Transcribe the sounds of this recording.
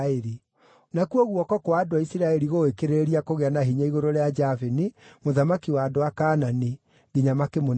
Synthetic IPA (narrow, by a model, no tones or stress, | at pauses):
eɾi | nakuɔɣwɔkɔkwaːdoaisiɾaɛɾiɣoekeɾeɾiakoɣeanaɦiɲaiɣoɾoɾead͡ʒavenimoðamakiwaːdowakaːnani | ɡiɲamakemon